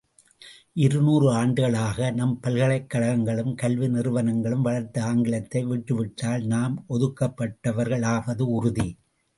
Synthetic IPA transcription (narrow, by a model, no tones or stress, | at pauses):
ʔɪɾɯnuːrɯaːɳɖɯɣɐɭaːɣɐnɐmpɐlɣɐɭɐɪkːɐɻɐɐŋɡɐɭɯmkɐlʋɪnɪrɯʋɐnɐŋɡɐɭɯmʋɐɭɐɾt̪ɐaːŋɡɪlɐt̪ːɐɪʋɪʈːɯʋɪʈːaːlnaːmɔðɯkːɐpːɐʈːɐʋɐɾɣɐɭaːʋɐðɯʊɾʊði